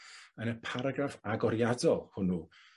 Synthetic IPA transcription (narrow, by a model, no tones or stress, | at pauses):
ənəpʰaɾaɡrafaɡɔɾjadɔlˠhʊnu